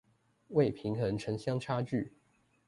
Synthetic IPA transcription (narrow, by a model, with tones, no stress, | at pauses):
we˥˨ɪpʰi˨˥ŋxə˧˥nʈ͡ʂʰə˧˥ŋɕjɑ˥ŋʈ͡ʂʰa˥t͡ɕy˥˨